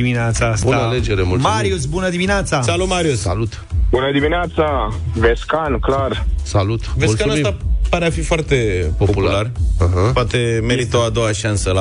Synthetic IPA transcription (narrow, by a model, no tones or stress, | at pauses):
iminat̪sasbunəaled͡ʒeɾemulmaɾjusbunəd̪imineat̪sasalut̪maɾiussalut̪ | bunəd̪imineat̪saveskanklarsalut̪veskanast̪apaɾeafifoart̪epoopulualarəɦapoat̪emeɾit̪oad̪owaʃansəla